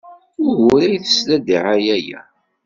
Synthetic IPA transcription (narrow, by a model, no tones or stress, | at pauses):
ʊɾwʊɾæjθə̥slæd̪iʕajæjæ̰